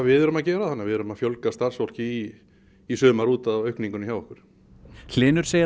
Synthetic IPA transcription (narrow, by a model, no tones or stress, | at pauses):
vɪðɛɾʏmaðcɛːɾaðanːɪvɪðɛɾʏmaðfjowlkast̪ar̥svɔl̥cɪiː | sœːmaɾuːt̪aðœɥhkniŋkʏnɪçawvɔhkʏɾ̥ | l̥ɪːnʏɾ̥seːj